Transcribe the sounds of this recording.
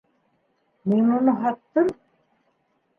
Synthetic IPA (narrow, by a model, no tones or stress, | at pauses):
minunɤɦɑt̪ːɤm